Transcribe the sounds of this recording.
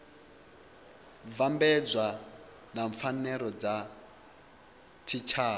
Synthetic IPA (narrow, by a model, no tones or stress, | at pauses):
vambɛd͡zʷwa | naɱfanɛɾɔd͡za | tʰit͡ʃʰaː